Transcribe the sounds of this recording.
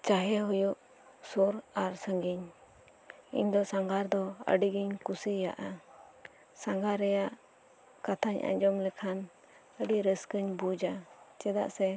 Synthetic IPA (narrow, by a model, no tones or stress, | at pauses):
t͡ʃaɦɛɦɔjuʔ | suɾaɾsəŋɡiɲ | ḭɲd̪ɔsaŋɡaɾd̪ɔə̰ɖiɡiɲkusija̰ʔa | saŋɡaɾɛjaʔ | kat̪ʰaɲʔa̰ɲd͡ʒɔmlɛkʰan | əɖiɾəskəɲbud͡ʒat͡ʃɛd̪a̰ʔsɛ